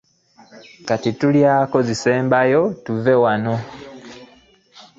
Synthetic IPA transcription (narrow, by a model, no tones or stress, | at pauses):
katituljaːko̞zise̞ːmbajo̞tuve̞wano̞